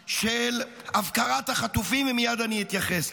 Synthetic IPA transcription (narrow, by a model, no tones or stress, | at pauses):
ʃel | avkaʁathaχat̪ufimvmijad̪aniit̪jaχes